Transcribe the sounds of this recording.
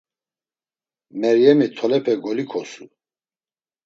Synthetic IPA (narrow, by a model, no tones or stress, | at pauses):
mɛɾjɛmit̪ʰɔlɛpʰɛɡɔlikʰɔsu